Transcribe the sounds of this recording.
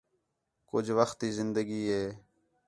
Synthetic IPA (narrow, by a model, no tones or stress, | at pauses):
kʊd͡ʒʋəxt̪iːzɪnd̪əɡiːɦeː